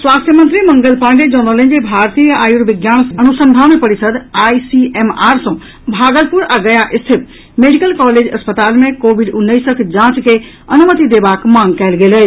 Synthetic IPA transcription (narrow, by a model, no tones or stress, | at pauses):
swast̪ʰjəmənt̪ɾiməŋɡəlpãɳɖed͡ʒɔnolẽnd͡ʒebʱaɾt̪ijəajuɾbiɡjansənusəmbʱamepəɾisəd̪ajsiemaɾsə̃ | bʱaɡəlpuɾaɡəjaʔist̪ʰip̪ | meɖikəlkɔled͡ʒəspət̪almekobiɖunːəjsəkd͡ʒãt͡ʃke | ənumət̪id̪ebakmãŋɡkɛɪlɡeləj